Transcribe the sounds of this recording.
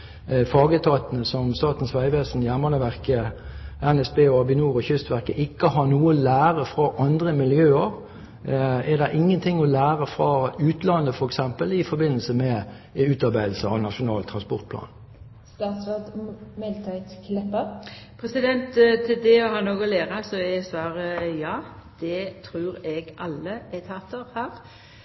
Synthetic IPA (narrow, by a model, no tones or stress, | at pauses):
fɑːɡət̪ʰɑːt̪ənəsɔmst̪ɑːt̪n̩sʋæɪʋeːsn̩jæʁmənəʋæʁkəɛnɛsbeːɔɑbɪnuːʁɔçʏst̪ʋæʁkəʔɪkːəhɑnuːəlæːʁəfʁɑʔɑnd̪ʁəmɪljøːəʁ | ɛd̪ɛʔɪŋːənt̪ʰɪŋːɔlæːʁəfʁɑʉːt̪lɑnːəfɔɾɛksɛmpəlɪfɔɾbɪnːəlsəmɛ | ʉːt̪ɑɾbæɪd̪l̩səɑ̰ʋnɑʃʊnɑːlt̪ʰʁɑnspɔʁt̪̚pʰlɑ̰ːn | st̪ɑːt̪sʋɑd̪mɛlt̪ʰɑt̪skʰlɛpːə | pʰɾɛsɪd̪ɛnt̪t̪ʰːed̪eɔhɑnoːɡɔleːʁɑsɔɛsʋɑːɾəjɑːd̪̥ɛt̪ʰɾʉːɾɛɡɑlːəɛt̪ʰɑt̪ːəɾhæːʁ